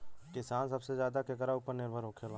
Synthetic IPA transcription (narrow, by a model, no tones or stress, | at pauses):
kɪsaːnsɐbsezjaːd̪akekəɾaupəɾnɪɾbʱəɾoːkʰelãː